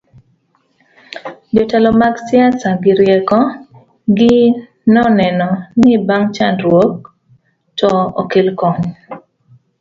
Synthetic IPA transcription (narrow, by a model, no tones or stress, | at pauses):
d͡ʒɔtalɔmaɡsɪasaɡɪɾjɛkɔ | ɡɪ | nɔnɛnɔnɪbaŋt͡ʃandɾwok̚ | tɔɔ̰kɪlkɔɲ